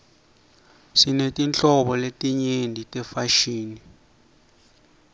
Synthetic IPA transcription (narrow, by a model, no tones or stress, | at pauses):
sinetʼint͡ɬʼɔɓɔletʼiɲendʱitʼɛfaʃiːni